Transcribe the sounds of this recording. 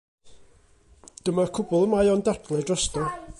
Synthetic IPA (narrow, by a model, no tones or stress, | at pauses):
d̥əmakʰʊbʊlˠəmajɔndardlˠɛdrɔstɔ